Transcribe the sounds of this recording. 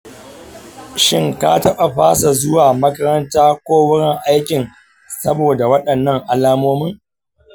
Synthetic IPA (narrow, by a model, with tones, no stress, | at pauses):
ʃɪ˦ŋka̰ː˦tɐ˦ɓa˨ɸaː˦sa˨zʊ˦waː˨mɐ˦kɐ˦ɾɐ˦ntaː˦kʷoː˦wʊ˦ɽɪ˦ŋʔa˦jkʲɪ˨n | sɐ˦boː˨da˨wɐ˦ɗɐ˨nːɐ˦˨ŋʔa˨laː˦moː˦mɪ˦ŋ